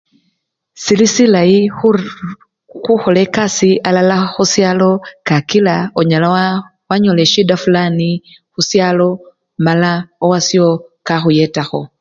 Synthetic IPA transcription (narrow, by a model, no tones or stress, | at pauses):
silisilaji | xuxolekasiʔalalaxusjalo̞kakilaoɲala | waɲoleʃidafulani | xusjalo | malaowasiokaxujetaxo